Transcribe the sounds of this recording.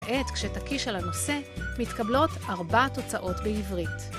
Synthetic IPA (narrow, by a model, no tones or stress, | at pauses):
ʔe̞tkʃetakiʃalano̞se̞mitkablo̞taʁbato̞t͡saʔo̞tbeivʁit